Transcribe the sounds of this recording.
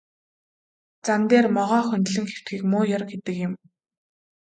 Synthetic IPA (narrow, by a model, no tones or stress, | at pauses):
t͡sant̪eːrmɔʁɔːxɵnʲt̪ɮɘ̆ŋxew̥t̪ɡiːkmʊːjɔrkxet̪ɘ̆kjɪ̆m